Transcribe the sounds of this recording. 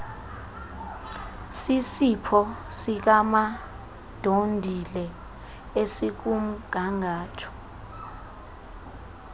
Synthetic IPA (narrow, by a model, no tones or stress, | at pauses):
sisipʰɔsik̬ama | d̥ʱondʱilɛ | esik̬um̩ɡ̥̬ʱaŋaːtʰɔ̥